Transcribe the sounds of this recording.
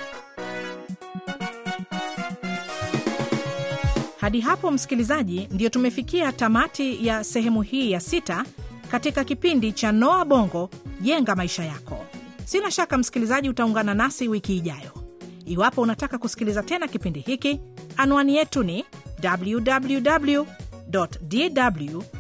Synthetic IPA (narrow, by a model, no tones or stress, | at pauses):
haɗiɦapɔm̩si̥kilizaʄindijɔtumɛfikiatamatijasɛɦɛmuhiːjasitakatikakipindit͡ʃanɔaɓɔŋɡɔʄɛŋɡamaiʃajakɔ | sinaʃakam̩si̥kilizaʄiutauŋɡananasiwikiːʄajɔiwapɔunatakakusi̥kilizatɛnakipindihikianuwanijɛtunidabljudabljuɗabljudɔtdidablu